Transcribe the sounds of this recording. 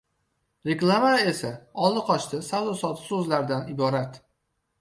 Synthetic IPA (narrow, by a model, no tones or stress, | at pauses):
ɾeklˠavae̞saɒlˠɨqʰɒʃt̪ɪsawd̪ɒsɒt̪ʰɪ̥sɵzlaɾd̪anɪbɒɾat̪